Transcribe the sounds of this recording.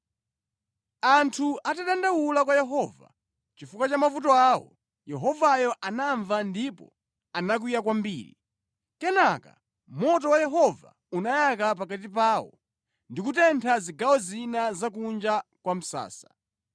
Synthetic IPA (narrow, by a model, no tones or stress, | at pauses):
antʰuʔataɗandawulakwajɛɦɔːva̰ | t͡ʃifukwat͡ʃamafutɔaːwɔ̰ | jɛɦɔvajɔʔanaɱvandipɔ̰ | anak̬wujak̬wambḭːɾḭ | kɛnaka̰ | mɔtɔwajɛɦɔva̰ | unajakap̬akat̬ip̬aːwɔ̰ | ndikutɛntʰaziɡawɔzinazakund͡ʒakwam̩sa̰ːsḁ